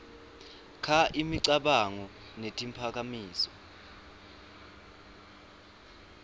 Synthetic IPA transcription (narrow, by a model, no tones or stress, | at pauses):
kʰaʔimiǀaɓaŋɔ | netʼimpʰak̬ʼamiːsɔ